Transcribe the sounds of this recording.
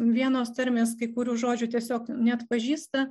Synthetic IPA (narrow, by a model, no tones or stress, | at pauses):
ʋʲiɛnoːst̪ʲɐɾʲmʲeːskɐɪkʊɾʲuːʒoːd͡ʒʲut̪ʲiɛsʲoːknʲɛɐt̪pɐʒʲiːst̪ɐ